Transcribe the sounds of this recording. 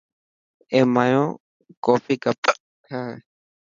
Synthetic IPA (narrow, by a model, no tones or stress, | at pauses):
ẽmãjõ | kofikapa | ha